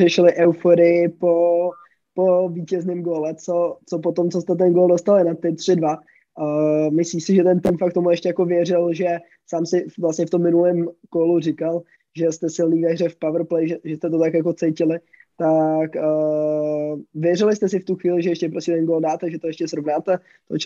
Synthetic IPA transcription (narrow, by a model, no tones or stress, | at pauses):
rɛʃɪlɪʔɛwfoɾɪjɪpo | po̞viːcɛznɪmɡoːlɛt͡so̞t͡so̞pot̪o̞mt͡so̞st̪ɛt̪̬ɛnɡoldost̪alɪnat̪ɪt̪r̝̥ɪdva | mɪsliːsɪʒɛt̪ɛnt̪ɪmfakt̪omuɛʃcɛjako̞vjɛrɪlʒɛ | saːmsɪvlasɲɛft̪o̞mːɪnulɛːmkolurɪkal | ʒɛst̪ɛsɪlniːvɛrɛfpavɾplɛjʒɛʒɛst̪ɛt̪o̞t̪akjako̞t͡sɛjcɪlɪ | t̪akə | vjɛrɪlɪst̪ɛs̬ɪft̪uxviːlɪʒɛjɛʃcɛpɾoscɛt̪ɛnɡoːldaːt̪ɛʒɛt̪ojɛʃcɛsɾovnaːt̪ɛ | t̪ot͡ʃ